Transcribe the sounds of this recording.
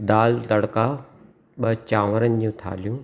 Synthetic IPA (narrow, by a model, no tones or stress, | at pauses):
d̪aːlt̪ɐɽka | ɓɐɦt͡ɕaːʋəɾənd͡ʑũːt̪ʰa̰ːlijũː